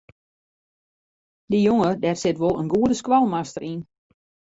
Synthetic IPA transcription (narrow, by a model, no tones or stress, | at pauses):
dəjoŋədɛrsɪtʋolˠənɡuədəskʋalˠmastəɾʔin